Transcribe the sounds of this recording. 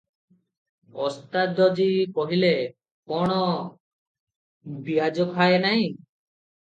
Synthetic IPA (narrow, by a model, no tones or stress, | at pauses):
ɔst̪ad̪ɔd͡ʒikɔɦile | koɽ̃ɔ | biad͡ʒɔkʰaenaj̃